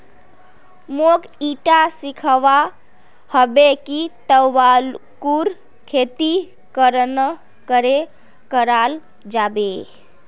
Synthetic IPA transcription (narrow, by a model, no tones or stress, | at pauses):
mok | iʈasikʰəʋa | həbekit̪əwalkuɾ | kʰet̪i | kəɾnə | kəɾe | kəɾal | d͡ʒabe